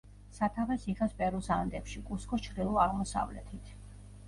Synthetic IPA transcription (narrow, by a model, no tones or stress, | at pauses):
sat̪ʰavɛsiχɛspʼɛɾusand̪ɛpʃikʼuskʼɔt͡ʃʰɾd̪ilˠɔaʁmɔsa̰vlɛ̰t̪ʰit̪ʰ